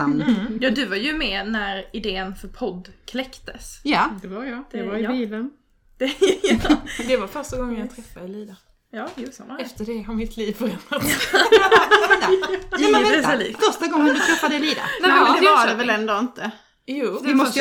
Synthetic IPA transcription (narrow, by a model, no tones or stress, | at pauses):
amjɑːd̪ɵvaɾjɵmɛːnæɾɪd̪eːənfœɾpʰɔd̪ːkʰlɛkt̪əsjadɛjd̪̥ɛaiːlən | d̪̥ɛɑd̪ɛvaɾfœɾʂtaɡɔŋːənjɑɡt̪ʰɾɛfːad̪ɛliːd̪a | jɑːjuːsɔ̰mɛft̪əɖɛɦaɾmɪt̪ʰliːvfəɾɛnat̪ | ɛt̪ajamɛvɛslḭːffœɾʂtaɡɔŋːd̪ɵt̪ʰɾɛfːad̪ɛliːd̪a̰ɛd̪ɛad̪ɛvɛlɛnd̪oːɪnt̪ə | juːd̪ɛmɔ